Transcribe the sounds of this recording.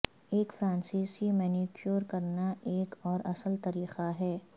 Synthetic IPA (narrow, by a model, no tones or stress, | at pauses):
eːkfɾãːnsiːsimɛːnikjoːɾkɐɾnaeːkɔːɾɐsəlt̪ɐɾiːqaɦɛː